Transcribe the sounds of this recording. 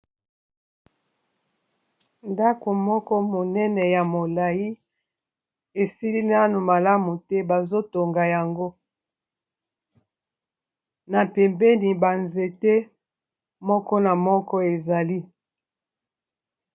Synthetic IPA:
nda˦ko˨mɔ˦kɔ˦mo˨nɛ˦nɛ˨ja˨mo˨la˨ji˦ | e˨si˦li˦na˦nu˨ma˨la˦mu˨tɛ˦ba˨zo˦to˨ŋɡa˨ja˨ŋɡo˦ | na˨pɛ˨mbɛ˦ni˨ba˨nze˨tɛ˦ | mɔ˦kɔ˦na˨mɔ˦kɔ˦e˨za˨li˦

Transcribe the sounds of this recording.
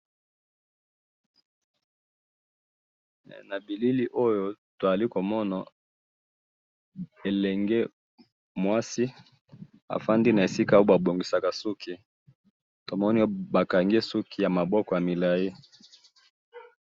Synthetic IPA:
na˨bi˨li˦li˦ʔo˦jo˦to˨a˨li˦ko˨mɔ˦na˨ | e˨lɛ˨ŋɡe˦ | mwa˦si˦ | a̰˨fa˦ndi˦na˨e˨si˦ka˦o˦ba˨bo˨ŋɡi˨sa˨ka˨su˦kʰi˨ | to˨mɔ˦ni˦o˦ba˨ka˨ŋɡi˦e˦su˦kʰi˨ja˨ma˨bɔ˦kɔ˨ja˨mi˨la˨ji˦

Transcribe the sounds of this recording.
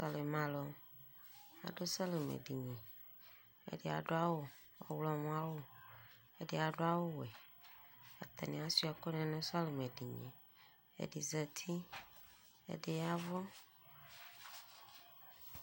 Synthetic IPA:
sa˨le˨mã˨lɔ˨ | a̰˨ɖo˦sa˦le˨mḛ̃˨ɖi˨ɲɛ̃˨ | ḛ˦ɖe˦˨a̰˨ɖo˦a˦wo˦ | ɔ̰˨wlɔ˨mũ˦a˦wo˦ | e˦de˦a˨ɖo˦a˦wo˦wɛ˨ | a̰˨t̪a˨nĩ˨a˦si˦a˨kɔ˦nɛ̃˨nẽ˦sa˦le˨me˨ɖi˨ɲɛ̰̃˨ | ḛ˨ɖi˨zɛ˨t̪ʰi˦ | ḛ˨ɖe˨ja˦vɔ˦

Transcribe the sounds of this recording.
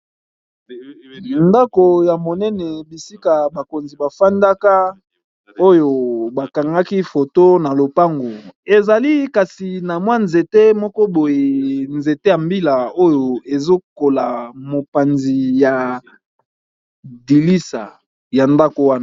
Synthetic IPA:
nda˦ko˨ja˨mo˨nɛ˦nɛ˨bi˨si˦ka˨ba˨ko˨nzi˨ba˨fa˦nda˦ka˦ | o˦jo˨ba˨ka˨ŋɡa˦ki˦fo˨to˦na˨lo˨pa˦ŋɡo˨e˨za˨li˦ka˨si˨na˨mwa˦nze˨te˦mɔ˦kɔ˦bo˨je˨nze˨te˦ja˨mbi˦la˨o˦jo˨e˨zo˦ko˨la˨mo˨pa˨nzi˨ja˨ | di˨li˦sa̰˨ | ja˨nda˦ko˨wa˦na˨

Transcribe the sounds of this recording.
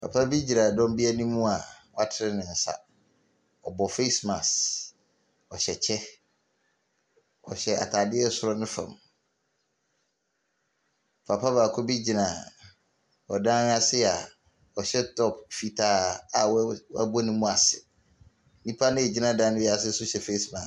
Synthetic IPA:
pʰa̰˨pʰa˦bi˦d͡ʑi˨ɾa˨dɔ̃˦m˦bi˦a˦nĩ˦mũ˦a˨wɔ˦a˦tʰɪ˦ɾɪ˦nɪ̃˨n̩˨sa̰˨ | ɔ˨bɔ˨fe˦sma˨s | ɔ˨ɕɛ˨t͡ɕʰɛ˦ | ɔ̰˨ɕɛ˨a̰˨tʰa˨dɪ˦ɛ˦sʊ˦ɾɔ˦nɪ̃˦fã̰˨m | pʰa˨pʰa˦baː˨kʰʊ˦bi˦d͡ʑi˨nã˨ | ɔ˨dã˦n˦a˨sɪ˦a˨ | ɔ˨ɕɛ˦tʰɔ˦pfi˨tʰaː˨˦a˨wwa˦bɔ˦nĩ˦mũ˦a˨sɪ˨˦ | nĩ˦pʰa˦nʊ̃˦e˨d͡ʑi˦nã˦dã˦nɪ̃˦jɛ˨a˨s̬ɪ˦sʊ˦ɕɛ˨fe˦smã˨

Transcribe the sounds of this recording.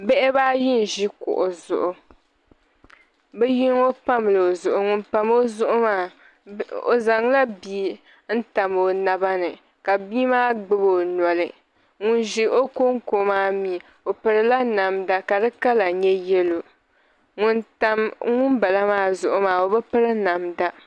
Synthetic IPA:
bɛ˦ʔɪ˦baː˦jɪ˦n˨ʒi˦kʊ̰˨ʔʊ˨zʊ̰˨ʔʊ˨ | bɛ˦ji˦ŋo˦pa˦m˨lɨ˨o˨zʊ˨ʔʊ˨ŋʊ˨n˦pa˦mo˦zʊ˦ʔʊ˦maː˦ | o̰˨za˨ŋ˦la˦biː˦ | n̩˦ta˨mo˨na˦ba˦nɨ˨ | ka˨bi˦maː˦ɡ͡bɨ˦bo˦˨nɔ˨lɨ˨ | ŋʊ˨nʒi˨ʔo˦ko˦ŋko˨˦maː˦mi˨ | o˨pɨ˨ɾɨ˦la˦na˨mda˦ka˨dɨ˦ka˦la˨ɲɛ˦jɛ˦lo˨ | ŋʊ˨nta˦mŋʊ˦nba˨la˦maː˦zʊ˨ʔʊ˨maː˨o˨bɛ˦pɨ˦ɾɨ˦na˨mda˦

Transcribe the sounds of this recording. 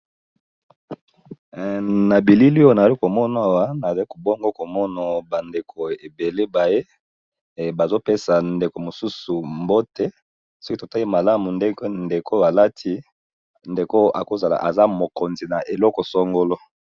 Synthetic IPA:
na˨bi˨li˦li˦o˦na˨a˨i˦ko˨mɔ˦na˨a˨wa˦na˨i˦ko˨bo˦ŋɡo˦ko˨mɔ˦na˨ba˨nde˨kʰo˨e˨be˨le˦ba˨je˦˨ | ba˨zo˦pe˦sa˨nde˨ko˨mo˨su˦su˨mbo˦te˦ | sɔ˦ki˦to˨ta˦li˦ma˨la˦mu˨nde˦knde˨ko˦a˨la˦tʰi˦ | nde˨ko˦ʔa̰˨ko˨za˨la̰˨ʔa̰˨za˦mo˨ko˨nzi˨na˨ʔe˨lɔ˦kɔ˨sɔ˦ŋɡo˦lɔ˦

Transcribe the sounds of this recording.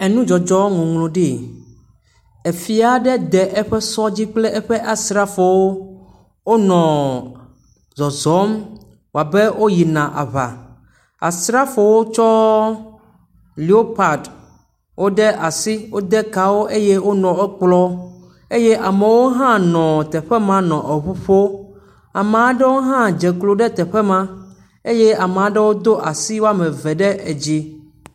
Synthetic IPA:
ɛ˨nũ˦d͡ʒɔ˨d͡ʒɔ˦ŋũ˨ŋlũ˨ɖi˨ | e˨fi˨a˨ɖɛ˦d̪ɛ˨ʔɛ˦ɸɛ˦sɔ˦d͡ʑi˦k͡plɛ˦ʔɛ˦ɸɛ˦ʔa˨sɾa˦fo˨wo˦ | wo˦nɔ̃˨ | zɔ˨zɔ˨˦m | wo˨a˨bɛ˦wo˦ji˨nã˨ʔa̰˨βa̰˨ | a̰˨sɾa˦fo˨wo˦t͡ʃɔ˦ | li˨o˦pa˨d | wʔo˦ɖɛ˦ʔa˨si˦wo˦d̪ɛ˦ka˨wo˦ʔe˦jɛ˦wo˦nɔ̃˨ɛ˦k͡plɔ˦ | e˦jɛ˦ʔa˨mɛ˨wo˦ɦã˦nɔ̃˨t̪ɛ˨ɸɛ˦mã˦nɔ̃˨ʔe˨βu˦ɸo˦ | a˨mɛ˨a˨ɖɛ˦wo˦ɦã˦d͡ʒɛ˨klo˨ɖɛ˦t̪ɛ˨ɸɛ˦mã˦ | e˦jɛ˦a˨mɛ˨a˨ɖɛ˦wo˦d̪o˦ʔa˨si˦wo˦a˦mɛ̃˨vɛ˨ɖɛ˦ʔe˨d͡ʑi˦

